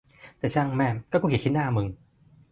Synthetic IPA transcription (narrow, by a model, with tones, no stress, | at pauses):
t̪ɛː˨˩t͡ɕʰaː˧˩ŋmɛː˧˩mkɔː˥˩kɔ˧˩ki˨˩kʰi˧˥naː˥˧˨mɯ˧ŋ